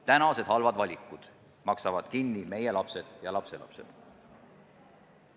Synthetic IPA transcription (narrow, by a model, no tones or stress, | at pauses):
t̪ænɑse̞d̪̥hɑlvɑd̪vɑlʲikːˑud̪̥ | mɑksɑvɑd̪̥kinːime̞je̞lɑpse̞d̪̥jɑlɑpse̞lɑ̰pse̞̰d̪̥